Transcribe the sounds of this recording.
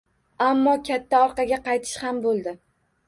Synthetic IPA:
amːɒkʲʰat̪ʰːaɒɾqɑɡʲaqʰɑjt̪ʰɪ̥ʃhambolˠd̪ɪ

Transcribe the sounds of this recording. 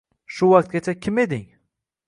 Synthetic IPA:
ʃʊwaq̚t̪̚ɡʲat͡ʃʰakʲʰɪme̞d̪ɪŋ

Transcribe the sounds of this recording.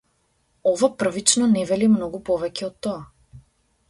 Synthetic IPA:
ɔvapr̩vit͡ʃnɔnɛvɛlimnɔɡupɔvɛcɛɔt̪ːɔa

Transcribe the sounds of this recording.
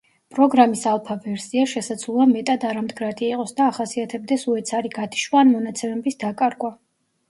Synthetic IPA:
pʼɾɔɡɾamisalˠpʰavɛɾsiaʃɛsad̪zluamɛt̪ʼad̪aɾamd̪ɡɾat̪ʼiiqʼɔsd̪aːχasiat̪ʰɛb̚d̪ɛsuɛt̪sʰaɾiɡat̪ʰi̥ʃwaːnmɔnat̪sʰɛmɛbisd̪akʼaɾɡwa

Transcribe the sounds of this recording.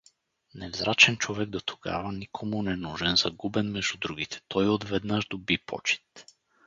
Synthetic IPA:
nɛvzɾat͡ʃɛnt͡ʃovɛɡd̪ot̪ʰo̥ɡa̰vanikʰomunɛnuʒɛnzaɡubɛnmɛʒud̪ɾuɡit̪ʰɛ̥t̪ʰɔjod̪vɛd̪naʒd̪obipʰɔ̰t͡ʃi̥t̪

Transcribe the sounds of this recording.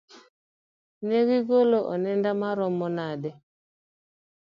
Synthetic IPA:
neɣiɡoloʔɔ̰nɛndamaɾɔmɔnadɛ

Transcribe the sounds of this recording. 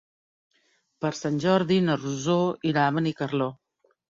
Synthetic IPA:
pəɾsanʲʒɔɾðinəruzoiɾaβənikərlo

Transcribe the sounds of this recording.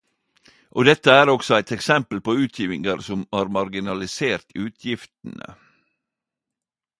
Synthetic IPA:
ʔoːd̪ɛt̪əæːɾɔksɔæɪt̪ɛksɛmpəlpoːʉːt̪ʰjiːʋɪŋəɾsɔmhɑːɾmɑɾɡɪnɑlɪseːɾt̪ʰʉːt̪ʰjɪft̪n̩ə̰

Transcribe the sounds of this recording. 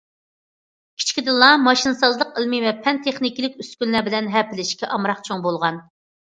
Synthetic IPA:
kʲʰi̥t͡ʃkʲid̪ɨlˠːɑmɑʃinɨsɑzlˠəqəlmivɛpʰɛnt̪ʰeχnɪkʲilɪkʲyskʲynlæbɪlɛnɦɛpɪlɪʃkʲɛʔɑmɾɑqt͡ʃʰoŋbolˠʁɑn

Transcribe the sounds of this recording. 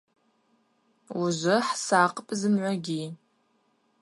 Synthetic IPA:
uʒʷʊħsaːqʼəpʼzɨmʕʷaɡʲi

